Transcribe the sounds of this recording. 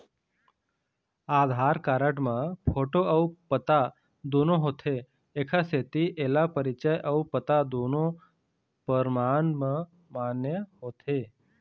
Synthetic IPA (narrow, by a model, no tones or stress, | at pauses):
ad̪ʱaɾkaɾəʈmãpʰoʈoʔɐupət̪a | d̪onoɦot̪ʰeː | kʰaset̪iʔelapəɾit͡ʃəjʔəupət̪ad̪ono | pəɾmanmã | manjəɦot̪ʰe